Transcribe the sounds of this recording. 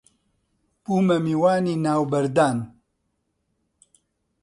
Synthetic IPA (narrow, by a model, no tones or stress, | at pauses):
puːmɐmiːwaːniːnaːwbɐɾd̪aːn